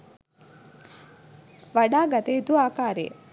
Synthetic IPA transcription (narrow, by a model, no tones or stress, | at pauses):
ʋɐɖaːɡɐt̪eit̪uaːkaːɾḛ